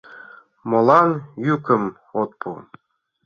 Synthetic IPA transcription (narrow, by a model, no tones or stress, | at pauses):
molˠɑnjykə̆m | ot̪̚pʰṵ